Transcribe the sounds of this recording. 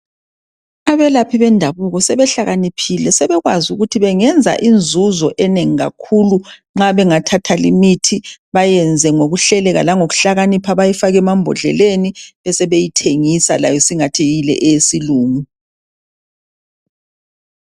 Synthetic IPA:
aβɛlapʰiβɛndʱaβuɣɔsɛβɛɬaɣanipʰilɛsɛβɛɣwazuɣutʰiβɛŋɛnd͡zʱa̰ʔind͡zʱuzɔʔɛneŋiɣa̰kʰuluŋ͡ǁaβɛŋatʰatʰalimitʰiβajɛnd͡zʱɛŋoɣuɬɛlɛɣa̰laŋoɣuɬaɣanipʰaβajifaɣɛmambʱɔ̰ɮɛ̰leniβɛsɛβejitʰeŋisalajɔsiŋatʰijilɛ̰ʔeesiluːŋu

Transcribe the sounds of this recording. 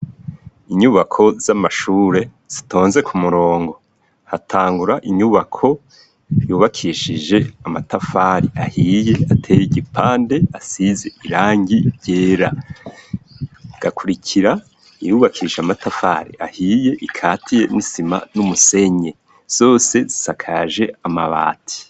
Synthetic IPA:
iɲuβakʰo̞z̥amaʃuːɾe̞ | z̥ito̞ːnze̞kʰumuɾo̞ːŋɡo̞ | hatʰaːŋɡuɾaʔiɲuβakʰo̞ | juːβakʰiʃiʒe̞amatafaɾiʔahije̞atʰe̞ːjiɟipʰaːnde̞asize̞iɾaːŋɡiɟeːɾa | ɡ̥akʰuɾikʰiɾa | ijuːβakʰiiʃeamatafa̰ːɾḭahiːje̞ʔikʰaːtije̞̰nisima̰numuse̞ɲe̞ | z̥o̞ːse̞zi̥sakʰaʒe̞ama̰βa̰ːtʰi̥

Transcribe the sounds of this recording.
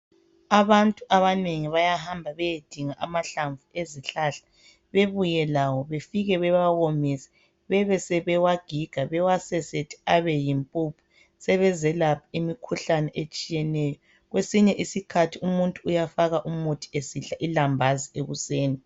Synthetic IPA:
aβantʼuʔaβaneŋiβajaɦambʱaβɛjed̥ʱiŋaʔamaɬaɱvueziɬaːɬḁ | βeβujɛlawɔβefiɣɛβɛβaɣɔmɛsɛ̥ | βɛβɛsɛβɛwaɡ̥ʱiɡ̥ʱaβɛwasɛsetʰi̥aβɛjimpʼupʰu̥ | sɛβɛzɛlapʰaimikʰuɬanɛʔet͡ʃʼijɛnɛjɔ | ɣwesiɲɛʔisikʰatʰiumuntʼuujafaɣaʔumutʰi̥esiɬaʔilambʱazieɣuseːni

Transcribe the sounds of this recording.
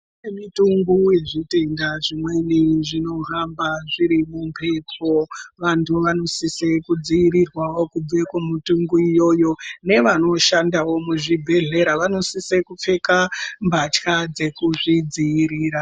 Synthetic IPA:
nemituŋɡujeʐite̞ndaʐimwe̞niʐino̞ɦambaʐiɾimumpʰe̞po̞ʋantʰuʋano̞sisekud͡zijiɾirwawo̞kub͡vekomituŋɡuijo̞jo̞ne̞ʋano̞ʃandawo̞muʐibʱe̞ɮe̞ɾaʋano̞sisekup͡fe̞kambʱat͡ʃkad͡ze̞kuʐid͡zijiɾiːɾa

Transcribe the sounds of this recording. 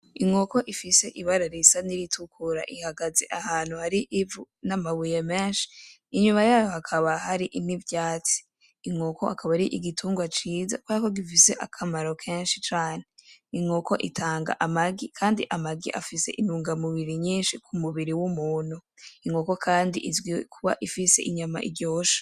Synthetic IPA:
iŋo̞ko̞ʔifise̞ʔiβaɾaɾisaniɾitʰukʰuɾa̰ʔihaɡazḛʔahaːn̥huhaɾiʔivunamaβujemeːnʃi̥ː | ɲumajaːjo̞hakʰaβahaɾiʔinivjaːt͡si̥ː | ŋoko̞hakaβaɾiʔiɡitʰuːŋɡwat͡ʃiːza̰kwɾako̞ɡifise̞ʔakʰamaɾo̞kʰeːnʃit͡ʃaːneiŋoko̞ʔḭtʰaːŋɡa̰ʔamaɡikʰaːndiʔamaɡḭʔafise̞̰ʔinuːŋɡamuβiɾiɲiːnʃikʰumuβiɾiwumuːnuiŋoko̞kʰaːndiʔizɡwikʰuβa̰ʔifise̞ʔiɲama̰ʔḭɡjoːʃḁ

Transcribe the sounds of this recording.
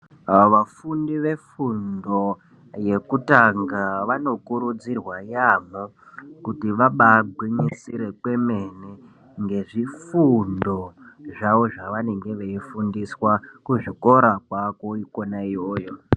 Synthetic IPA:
ʋafundiʋe̞fundo̞ | je̞kutaŋɡaʋano̞kuɾud͡zirwaijamo | kutiʋaɓaɡʱwiɲisiɾe̞kwe̞me̞ni | ŋɡe̞ʐifundo̞ʐaʋo̞ʐaʋane̞ŋɡe̞ʋeifundiswakuʐiko̞ɾakwako̞ikonaijoːjo̞

